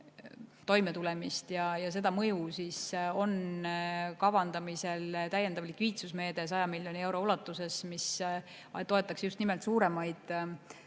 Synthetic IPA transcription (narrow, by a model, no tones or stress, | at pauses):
t̪o̞jmet̪ulɛmist̪jɑjɑse̞d̪̥ɑmɤjusiso̞n | kɑvɑnd̪̥ɑmise̞lt̪æjend̪ɑvlikviːt̪susme̞ːd̪̥e̞s̬ɑjɑmilʲjo̞nie̞wɾo̞ulɑt̪ːˑuse̞smis | t̪o̞e̞t̪ːˑɑksjust̪nime̞lt̪suːɾe̞mɑjd̪̥